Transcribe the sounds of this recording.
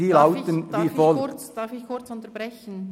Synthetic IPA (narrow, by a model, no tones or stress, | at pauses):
iːlaʊt̪ənviːfɔl̥ | kʊt͡sʊntəbɾɛçn